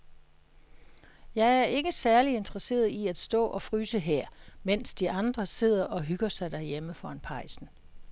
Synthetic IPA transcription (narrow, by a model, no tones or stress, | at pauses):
jɑ̈ɪæɐe̝ɡ̥əsæɐlie̝nd̥ʁɐse̝̰ːɐð̩ˠiæd̥sd̥ɔ̰̽ːʔɒ̽fʁyːsəɦeɐ̰men̰sd̥iʔɑ̈nd̥ʁɐse̝ð̰ˠɐʔɒ̽ɦyɡ̥ɐsɑ̈ɪd̥æɐjeməfɒ̽enpʰɑ̈ɪsn̩